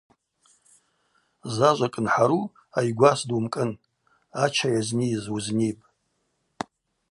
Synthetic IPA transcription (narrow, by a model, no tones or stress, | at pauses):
zaʒʷakʼɨnħaɾu | ajɡʷasdumkʼɨn | at͡ʃʰajaznizuznipʼ